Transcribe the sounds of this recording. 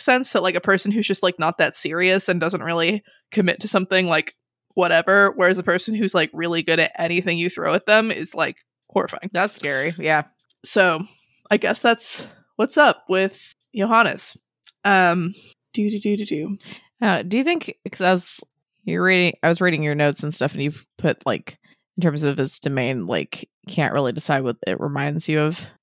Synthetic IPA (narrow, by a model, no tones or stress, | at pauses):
sɛ̃nsðət̚laɪkɨpʰɜ˞sɨ̃n̩ɦʉzd͡ʒʌstlaɪk̚nət̪̚ðɨtsɪɹiɨsɨ̃ndʌzə̃nʔ̚ɹɪlˠi | kʰɨmɪtʰɨsʌ̃mθɪ̃ŋlaɪk | wʌɾɛvə˞wə˞ɨzɨpʰɜ˞sɨ̃n̩ɦʉz̥laɪkɹɪlˠiɡʊɾɨʔɛñiθɪ̃ŋjɨθɹo̰ʊɨð̚ðə̃mɪ̰z̥la̰ɪk | hɔɹɨfa̰ɪ̃ŋðætskɛɹijæ | soʊ | aɪɡɛsðæts | wʌtsʌp̚wɪð̥ | joʊɦɑñɨ̰s | ʌ̃m | d̥ɨɾɨdɨɾɨdʉ | ʌdɨjɨθɪ̃ŋkkʰʌzɨz̥ | jə˞ɹiɾɪ̃ŋaɪwʌzɹiɾɪ̃ŋjə˞noʊtsn̩stʌfɨ̃n̩jɨpʰʊɾla̰ɪk | ɨ̃n̩tʰɜ̃˞mzʌv̥ɨz̥d̥ɨmẽɪ̃nla̰ɪk | kʰæ̰̃nʔɹʔɪ̰lˠidɨsaɪd̚wʌðɪ̰ʔɹʔə̰mãɪ̃ndz̥jɨʌv̥